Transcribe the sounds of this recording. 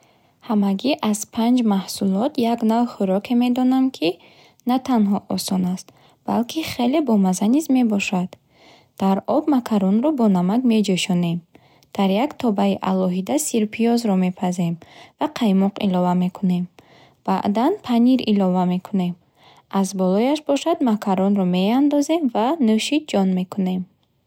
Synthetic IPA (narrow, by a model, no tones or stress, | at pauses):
hamaɡiʔaz̥pʰand͡ʒmahsulɔt̪ʰjaɡnavχuɾɔkʰe̞me̞d̪ɔnamkʰi | nat̪ʰanɦɔʔɔsɔnast̪ | b̥a̰lkʰiχe̞le̞bɔmazanizme̞bɔʃad̪̥ | d̪̥aɾɔbmakʰaɾɔnɾɔbɔnamaɡme̞d͡ʒeʃɔne̞m | d̪̥aɾjakt̪ʰɔbaiʔalɔɦid̪asiɾpʰiɔzɾɔme̞pʰaze̞mvaqʰajmɔqʰḭlɔvame̞kʰune̞m | b̥a̰ʔd̪anpʰaniɾilɔvame̞kʰune̞m | azbɔlɔjaʃbɔʃad̪makʰaɾɔnɾɔme̞and̪ɔze̞mvanøʃid͡ʒɔnme̞kʰune̞m